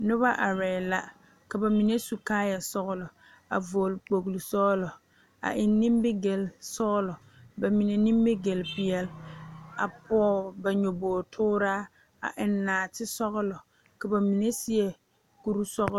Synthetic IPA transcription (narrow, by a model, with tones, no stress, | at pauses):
nʊ˦βa˦ʔa˨ɾɛ˨la˦ | ka˨ba˨mi˨ne˦su˨kaː˦ja˨sɔ˦ɣʊ˦lʊ˨ | a̰˨vo˨lk͡po˨ɡlu˨sɔː˦lɔ˨ | a̰˨ʔɪ˨nːi˦mbɪ˦ɡe˨lsɔ˦ɣlɔ˨ | ba˨mi˨ne˨ni˦mbɪ˦ɡe˨lpɪ˨ɛ˦la̰˨pɔː˦ba˨ɲo˨boː˨tʰʊː˦ɾaː˦ | a̰˨ʔɪ˨nːaː˨tɪ˦sɔ˦ɣʊ˦lʊ˨ | ka˨ba˨mi˨ne˦sɪ˦ɛ˨ | ku˦ɾu˦sɔ˦ɣ